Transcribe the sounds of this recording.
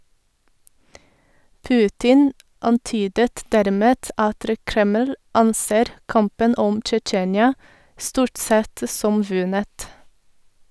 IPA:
ˈpʉːtɪn ɑnˈtyːdət ˈdæɾˌmeːt ˈʔɑtɾə ˈkɾɛməl ˈɑnˌseːɾ ˈkɑmpən ˈɔm t͡ʃəˈt͡ʃeːnjɑ ˈstuːʈ ˈsɛt ə ˈsɔm ˈʋʉnət

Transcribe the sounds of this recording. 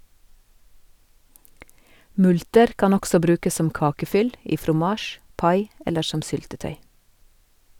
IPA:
ˈmʉltəɾ ˈkɑn ˈɔksɔ ˈbɾʉːkəs ˈsɔm ˈkɑːkəˌfʏl ˈiː fɾʊˈmɑːʃ ˈpɑɪ ˈɛləɾ ˈʃɔm ˈsʏltəˌtœʏ

